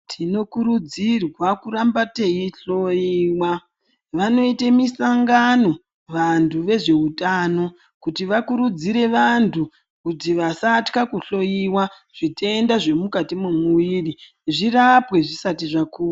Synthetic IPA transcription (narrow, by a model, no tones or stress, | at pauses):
tʰino̞kuɾud͡zirwakuɾambateiɬo̞jiːwa | ʋano̞itemisaŋɡano̞ | ʋantʰuʋe̞ʐe̞utano̞ | kutiʋakuɾud͡ziɾe̞ʋantʰu | kutiʋasatkakuɬo̞jiwa | ʐ̥ite̞ndaʐe̞mukatimumuʋiri | ʐirapwe̞ʐisatiʐakuːa